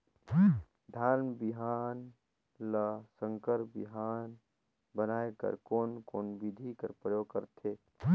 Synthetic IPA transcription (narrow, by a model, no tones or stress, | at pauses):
d̪ʱaːɾnbiɦaːn | ləsə̃ŋkəɾbḭɦaːn | bənaːekə̰ɾkoːnkoːnbid̪ʱikəɾpɾəjoːɡ̚kəɾt̪ʰeː